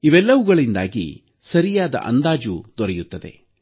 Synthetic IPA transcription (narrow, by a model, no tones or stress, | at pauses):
iʋɛlːɐʋuɡɐɭind̪a̰ːɡḭ | sɐɾijaːd̪ɐ̰ʔɐ̰nd̪aːd͡ʒud̪ɔɾɛjut̪ːɐd̪e̞̰